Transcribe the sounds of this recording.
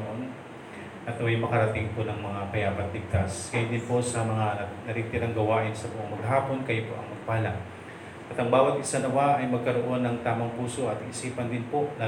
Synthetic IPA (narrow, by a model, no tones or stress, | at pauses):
ʔon | ʔɐt̪ojʊŋmɐkɐɾɐt̪ɪŋponɐŋmɐŋapɐjaːpɐt̪̚lɪɡ̚t̪askɐjod̪ɪnpo̞ʔsɐmɐŋanɐɾiːt̪ɪɾɐŋɡɐwaːʔɪnsɐbʊʔoŋmɐɡ̚ɦaːpo̞nkɐjopo̰ʔɐ̰ŋmɐɡ̚pɐhɐla | ʔɐt̪ɐŋbaːwɐt̪ʔɪsanɐwaʔɐjmɐɡ̚kɐɾo̞ʔo̞nːɐŋt̪aːmɐŋpuːso̞ʔɐt̪iʔɪsiːpɐnd̪ɪnpo̞ʔlaː